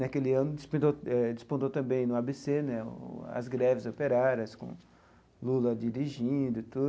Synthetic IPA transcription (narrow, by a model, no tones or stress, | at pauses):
nakelɪɐ̃nʊdɪspẽd̪oɛd͡ʒispõd̪owt̪ɐ̃mbẽj̃nʊabesenɛʊ̰ɐ̰zɡɾɛvɪzopeɾaɾɐskõ̰ | lulɐd͡ʒiɾiʒĩd̪ʊt̪ud̪